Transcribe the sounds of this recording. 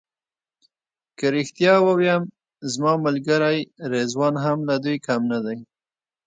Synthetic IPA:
kaɾɪxt̪jɑwəwjam | zmɑmalɡaɾajɾezwɑnɦamlad̪ujkamnad̪aj

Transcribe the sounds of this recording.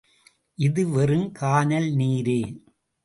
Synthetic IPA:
ʔɪðɯʋɐrɯmkʰaːnɐlniːɾeː

